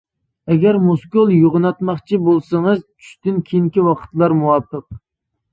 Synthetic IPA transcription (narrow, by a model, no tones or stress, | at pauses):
ɛɡʲæɾmoskolˠjoʁʊnɑt̪mɑχt͡ʃʰibolˠsɨŋɨzt͡ʃʰy̥ʃt̪ɪnkʲʰejiŋkʲiwɑqʰə̥t̪lˠɑɾmuwɑpʰːəq̚